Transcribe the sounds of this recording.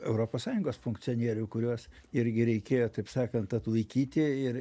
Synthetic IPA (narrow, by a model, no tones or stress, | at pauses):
ɛʊɾoːpoːssɑːjʊŋɡoːsfʊŋksʲɪoːnʲiɛɾʲʊkʊɾʲuɔs | ɪɾʲɡʲɪɾʲɛɪkʲeːjoːt̪ɐɪpsɑːkɐnt̪ɐt̪lˠɐɪkʲiːt̪ʲɪɪɾ